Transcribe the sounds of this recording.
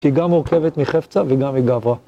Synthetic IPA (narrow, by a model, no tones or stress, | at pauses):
iɡamːoʁkevet̪miχeft͡saveɡamːiɡavʁa